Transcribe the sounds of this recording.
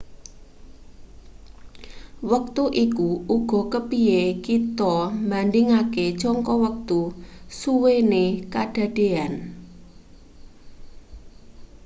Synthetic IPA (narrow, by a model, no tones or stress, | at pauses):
wək̚t̪uʔikuuɡ̥ɔ̤kəpiekit̪ɔmbandɪŋaket͡ʃɔŋkɔwək̚t̪usuwenekaɖ̥a̤ɖ̥e̤an